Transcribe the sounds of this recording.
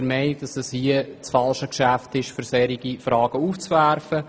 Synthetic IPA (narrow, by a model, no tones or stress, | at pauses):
ɾmɛɪnk̚d̥ɑsɛshiət͡sfɑlʃəkʃæftɪʃfʏɾsɛɾiɡ̥ifɾɑːɡ̥əuːft͡svæɾfə